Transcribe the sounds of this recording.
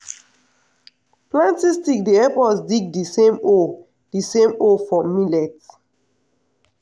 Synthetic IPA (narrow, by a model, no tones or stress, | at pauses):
plãntistik̚diɛpɔsdiɡ̚disẽmo | d̥isẽmofɹɔ̃milɛt